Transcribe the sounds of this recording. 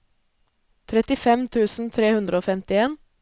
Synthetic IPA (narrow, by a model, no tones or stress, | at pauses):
t̪ʰɾɛt̪ɪfɛmt̪ʰʉːsn̩t̪ʰɾeːhʉnd̪ɾəoːfɛmt̪ɪeːn